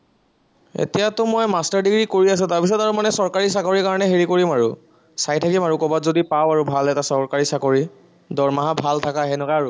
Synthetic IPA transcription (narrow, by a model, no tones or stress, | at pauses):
ḛtijatʊmɔjmastaɹdiɡɹikoɹias̬ʊ̃taɹpis̬ɔtaɹumanɛsɔɹkaɹisakoɹikaɹɔnɛɦeɹikoɹimaɹu | sajtʰakimaɹukɔbatzodipawaɹubʱalɛtasɔɹkaɹisakoɹi | dɔɹmaɦabʱaltʰakaɦɛnʊkaːɹʊ